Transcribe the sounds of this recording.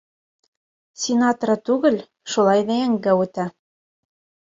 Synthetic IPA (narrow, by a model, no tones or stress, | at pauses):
sʲenɑt̪oɾɑt̪uɣɘ̆lʲ | ʃolˠɑjd̪eæŋɡæut̪æ